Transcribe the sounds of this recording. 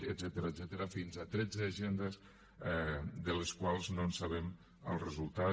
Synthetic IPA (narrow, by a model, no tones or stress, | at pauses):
əd̪zɛt̪əɾəzɛt̪əɾəfinzat̪ɾɛd͡zəːʒend̪əz | ɛd̪ələskwalˠznonsaβ̞ɛm | ə̰lˠrəzulˠt̪a